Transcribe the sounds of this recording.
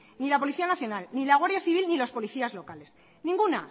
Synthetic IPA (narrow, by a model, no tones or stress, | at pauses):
nilapo̞liθianaθjo̞nalnilaɣ̞waɾðjaθiβ̞ilnilo̞spo̞liθiazlo̞kale̞s | nĩŋɡuna